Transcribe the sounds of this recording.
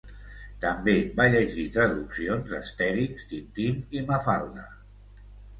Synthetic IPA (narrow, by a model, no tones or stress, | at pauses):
t̪əmbeβaʎəʒit̪ɾəðuksionzəst̪ɛɾikst̪int̪imiməfalˠd̪ə